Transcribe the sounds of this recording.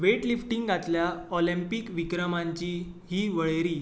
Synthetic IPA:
ʋeʈlifʈiŋɡɡat̪ljaɔlimpikʋikɾəmãɲt͡ɕiː | ɦiːʋəɭeɾiː

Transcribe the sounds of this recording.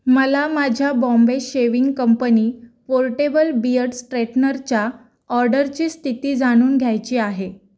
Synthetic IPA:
məlamad͡ʑʱjabɔ̃mbeɕeʋiŋɡkəmpəniːpoɾʈebəlbiəɾɽsʈɾeʈnəɾt͡ɕa | ɔɾɖəɾt͡ɕiːst̪ʰit̪iːd͡zaɽ̃uːnɡʱjajt͡ɕiːaɦe

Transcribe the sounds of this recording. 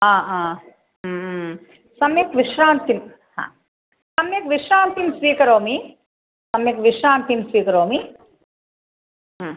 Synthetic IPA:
ãːãː | sɐmjɐkʋiʂɾaːnt̪im | hã̰ː | sɐmjekʋiʂɾaːnt̪imsʋiːkɐɾoːmi | sɐmjɐkʋiʂɾaːnt̪imsʋiːkɐɾoːmi

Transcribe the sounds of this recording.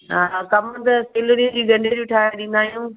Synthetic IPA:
ɦakɐmət̪ɐseːloɾĩd͡ʑiːɡɐ̃ɳɖʱed͡ʑʊʈʰaːjãɗɪ̃nd̪aːɦijũː

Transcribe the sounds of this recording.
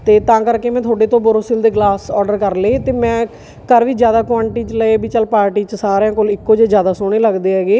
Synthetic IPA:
t̪eːt̪ãːkəɾkeːmɛ̃ːt̪ʰoːɖeːt̪õːbʊɾoːsɪld̪eːɡlaːsɔːɖəɾkəɾleːt̪eːmɛ̃ː | kəɾʋiːd͡ʒjaːd̪aːkãːɳʈiːt͡ʃələeːbiːt͡ʃəlpaːɾʈiːt͡ʃəsaːɾejãːkolɪkːoːd͡ʒeːd͡ʒjaːd̪aːsoːɽ̃eːləɡd̪eːɛːɡeː

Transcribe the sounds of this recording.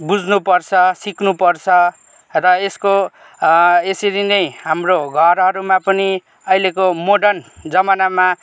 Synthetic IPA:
bud͡znupʌrt͡sʰʌsiknupʌrt͡sʰʌ | rʌesko | esiɾinʌjɦamroɡʱʌɾʌɾumapʌni | ʌilekomoɖʌnd͡zʌmanama

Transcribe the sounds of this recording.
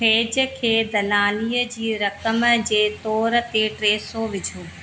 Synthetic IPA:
eːd͡ʑəkʰeːd̪ɐlaːliːəd͡ʑiːɾɐkəmd͡ʑeːt̪ɔːɾt̪eʈɾeːsoʋɪd͡ʑʱoː

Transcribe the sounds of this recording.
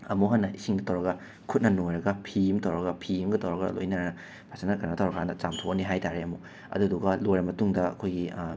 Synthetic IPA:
ɐmuɦɐnːɐʔisiŋɡɐtʰɐwɾɐɡɐ | kʰut̚nɐnojɾɐɡɐpʰijumtʰɐwɾɐɡɐpʰijimɡɐtʰɐwɾɐɡɐ̰lo̰jnaɾɐnɐ | pʰasanɐkʰɐnɡɐtʰɐwɾɐkʰanɐt͡ʃamtʰowɐniɦajtaɾeɐmu | ɐ̰duduɡɐlojɾɐmɐtuŋdɐɐ̰kʰojɡi

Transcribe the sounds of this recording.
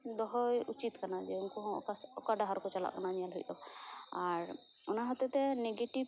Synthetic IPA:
d̪ɔɦɔjut͡ʃit̪kanad͡ʒɛuŋkuɦɔ̰̃asɔkaɖaɦaɾkɔt͡ʃala̰ʔkananijalɦɔjd̪ɔaɾ | ɔnaɦɔt̪ɔt̪ɛneɡeʈib

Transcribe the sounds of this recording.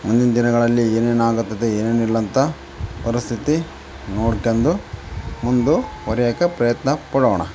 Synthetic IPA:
mund̪ind̪ɐd̪inɐɡɐɭɐlːieːne̞ːnaːɡɐt̪ːɐd̪eeːne̞ːnilːɐnt̪ʰɐ | pɐɾist̪ʰit̪i | noːɽkːend̪umund̪uɦɔɾjakepɾɐjɐt̪nɐpɐɽɐʋɐɳɐ̰

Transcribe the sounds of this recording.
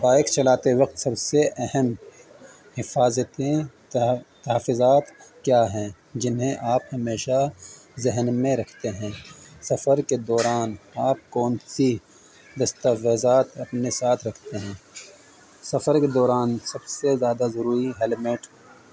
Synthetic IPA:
baːɪkt͡ʃɐlaːt̪eʋɐq̚t̪sɐbseʔɛɦɛm | hɪfaːzət̪ẽ | t̪ɐɦafʊzaːt̪kjaːɦɛ̃ː | d͡ʒɪnɦẽʔaːphɐmeːʃazɪɦnmẽɾɐkʰt̪eɦɛ̃ːsɐfəɾked̪ɔːɾaːnaːp̚kɔːnsi | d̪ɐst̪aʋeːzaːt̪ɐpnesaːt̪ʰɾɐkʰt̪eɦɛ̃ː | sɐfəɾked̪ɔːɾaːnsɐbsezjaːd̪azɐɾuːɾiɦɛːlmeːʈ

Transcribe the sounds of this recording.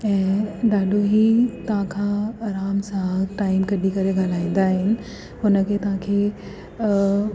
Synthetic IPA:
ɛ̃ːɗaːɗoɦit̪ɦãkʰãɐɾaːmsaɦəʈaːimkɐɗikɐɾeɡaːl̤aːĩːn̆d̪aːɦɪnɪ̆ | ɦʊnə̆kʰeːt̪ɐɦãkʰeː

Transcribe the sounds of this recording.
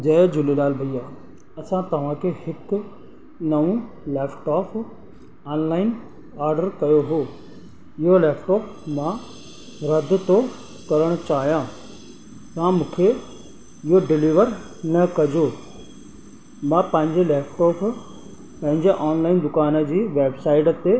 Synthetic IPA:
d͡ʑɐːd͡ʑʊlelaːlbʱɐijaː | ɐsãt̪ɐʋ̤ãkʰehɪkʊ | nɐʋũ | lɛeːpʰʈɔːpʰ | aːnlaːɪn | aːɾɖəɾkɐjoɦoː | ɪɦolɛːpʰʈɔːpmã | ɾɐd̪ʱʊt̪o | kɐɾəɽ̃ʊt͡ɕaːɦijãː | tãmũːkʰe | ɪɦoɖɪliːʋəɾ | nɐkɐd͡ʑo | mãpɐ̃ɦɪ̃ɲd͡ʑelɛːpʰʈɔːpʰ | pɐ̃ɦɪ̃ɲd͡ʑeʔaːnlaːɪnd̪ʊkaːnəd͡ʑiːʋeːbsaːɪʈt̪e

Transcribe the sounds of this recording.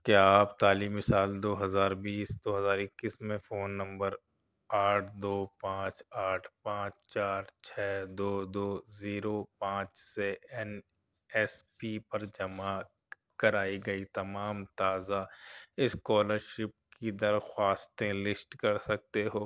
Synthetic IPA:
kjaaːpt̪aːliːmːɪsaːld̪oːɦɐzaːɾbiːsd̪oːɦɐzaːɾɪkːiːsmẽfoːnːɐ̃mbəɾ | aːʈʰd̪oːpãːt͡ʃaːʈʰpãːt͡ʃt͡ʃaːɾt͡ʃʰɛːd̪oːd̪oːziːɾoːpãːt͡ʃseɛn | ɛspipɐɾd͡ʒɐma | kɐɾaːiɡɐit̪ɐmaːmt̪aːzaɪskɔːləɾʃɪp̚kid̪ɐɾxwaːst̪ẽlɪsʈkɐɾsɐk̚t̪eɦoː

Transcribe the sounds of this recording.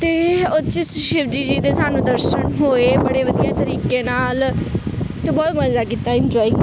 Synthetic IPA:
t̪eːʊt͡ʃɪsʃɪʋd͡ʒiːd͡ʒiːd̪eːsaːnũːd̪əɾʃənɦoːeːbəɽeːʋəd̪ijaːt̪əɾiːkeːnaːl | t̪ebɔːt̪məd̪aːkiːt̪aːɪnd͡ʒɔːiː

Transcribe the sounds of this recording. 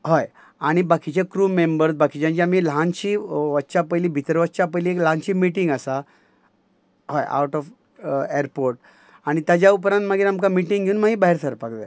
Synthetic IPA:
hoj | aɽ̃ibakit͡ɕekɾuːmembəɾsbakit͡ɕãɲt͡ɕiam̤ilɦãnt͡ɕiːʋəːɕapəjliːbʱit̪ɾʋət͡ɕapəjliːekləɦãnt͡ɕiːmiʈiŋɡəsa | hoja̰wʈɔf | eɾpoɾʈ | aɽ̃it̪ad͡ʑjaup̬ɾãnmaɡiːɾamkamiʈiŋɡʱeunmaɡiːbaɦiɾt̪ʰəɾpakd̪ã̰

